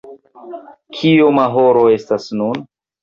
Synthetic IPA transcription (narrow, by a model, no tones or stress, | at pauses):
kʰiomaɦo̞ɾo̞e̞stasnun